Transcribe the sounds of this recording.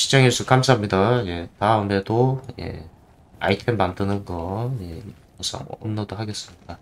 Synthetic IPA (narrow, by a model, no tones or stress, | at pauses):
ɕʰi̥d͡ʑʌŋes͈ʰuk͈amsʰaɦamɲidaje̞taunde̞doje̞̰ | a̰itʰenmandɯnɯnɡʌje̞ | ʌsʰʌ̰ŋʌ̰mnːʌdoɦaɡes͈ɯmɲid̥a